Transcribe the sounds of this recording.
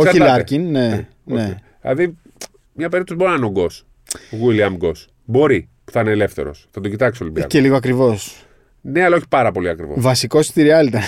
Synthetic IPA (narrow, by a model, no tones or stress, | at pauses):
osɐçilɐɾcinːe | one | lɐði | mɲɐpeɾiot̪ozboɾinɐnoɡo̞s | ɣwilɐmɡo̞s | bo̞ɾi | pu̥θɐneːle̞fθeɾo̰sθɐt̪ocit̪ɐksolibiɐ̰celiɣoɐkɾivo̞s | ne̞ɐlɐoçi̥pɐɾɐpo̞liɐkɾivovɐsikost̪iɾiɐlt̪ɐn